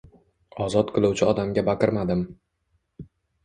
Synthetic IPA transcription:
ɒzɒt̪̚qʰɨlˠuwt͡ʃʰɪɒd̪amɡʲabaqʰɨɾmad̪ɪm

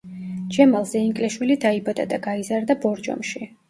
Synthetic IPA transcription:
d͡ʒɛmalˠzɛiŋkʼlɛʃwilid̪aibad̪ad̪aɡaizaɾd̪abɔɾd͡ʒɔ̰mʃi

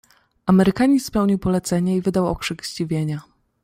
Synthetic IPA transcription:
ʔamɛɾɘkaɲispɛwɲiwpɔlɛt̪sɛɲɛivɘd̪awɔ̰kʂɘɡʑd͡ʑivʲjeɲa

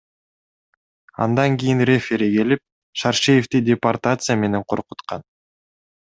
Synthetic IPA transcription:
ɑ̰nd̪ɑŋɡʲijinrʲefʲeɾiɡe̞lip̚ | ʃɑɾʃejeft̪idʲepart̪at̪sɨjame̞ne̞ɴqʰo̞̰ɾqut̪qɑn

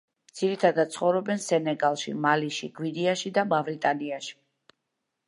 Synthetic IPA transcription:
md̪z̥iɾit̪ʰad̪at̪̚t̪sʰχɔvɾɔbɛnsɛnɛɡalˠʃḭmaliʃiɡwiniaʃid̪amavɾit̪ʼaniaʃi̥

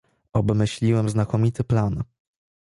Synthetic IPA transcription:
ɔbmɘɕlʲiwɛmznakɔmʲit̪ɘplan

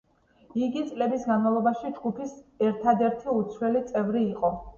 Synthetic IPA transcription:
iɡit̪sʼlɛbisɡanmavlˠɔbaʃid͡ʒɡupʰisɛɾt̪ʰad̪ɛɾt̪ʰiut̪sʰwɛlit̪sʼɛvɾiːqʼɔ

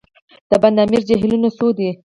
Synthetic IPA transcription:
d̪̥əband̪ɑmiɾd͡ʒeɦlunosod̪i

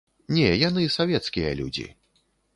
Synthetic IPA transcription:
nʲɛjanɨsavʲɛt̪skʲijɐ̰lʲṵd͡zʲḭ

